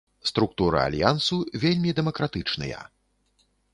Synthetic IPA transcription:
st̪ɾuk̚t̪uɾɨ̰a̰lʲjansuvʲelʲmʲid̪ɛmɐkɾat̪ɨt͡ʂnɨ̰jɐ̰

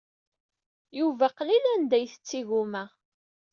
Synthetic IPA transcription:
juvæqlilænd̪æjθə̥t͡sːiɣumæ

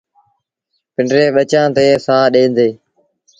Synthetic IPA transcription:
pɪɳɖɾeːɓət͡ʃãːt̪eːsaːɗẽːnd̪eː

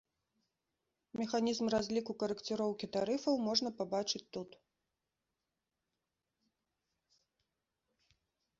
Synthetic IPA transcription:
mʲɛxanʲizmrazʲlʲikukɐɾɨkt͡s̪ʲɨɾɔwkʲit̪aɾɨfɐwmɔʐnɐpabat͡ʂɨt͡sʲt̪ut̪

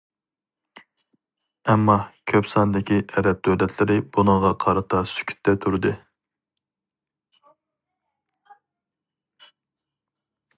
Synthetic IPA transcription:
ɛmːɑkʲʰøpsɑnd̪ɪkʲiʔɛɾɛp̚t̪ʰølɛt̪ʰlɪɾɪbunəŋʁɑqʰɑɾɨt̪ʰɑsy̥kʲʰy̥t̪ːɛt̪ʰuɾɨd̪ɨ

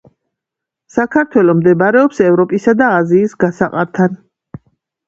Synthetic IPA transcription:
sakʰaɾt̪ʰwɛlɔmd̪ɛbaɾɛɔpsɛvɾɔpʼisad̪aːziːsɡasaqʼaɾt̪ʰan

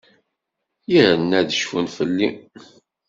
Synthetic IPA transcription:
jəɾənːæðəʃfunfəlːi

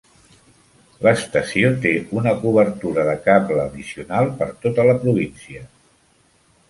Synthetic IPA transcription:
ləst̪əsiot̪eunəkuβəɾt̪uɾəðəkapləːðisiunalˠpəɾt̪ot̪ələpɾuβ̞insiə

